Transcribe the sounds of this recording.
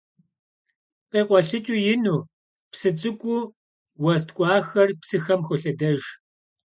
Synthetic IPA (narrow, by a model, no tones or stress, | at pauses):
qʼeːqʷʼɔɬɨt͡ʃʼʊjɪnuː | psɨt͡sʼɨkʷʼʊ | wɐs̬tkʷʼɑːxɐrpsɨxɐmxʷʊɬɐdɐʒ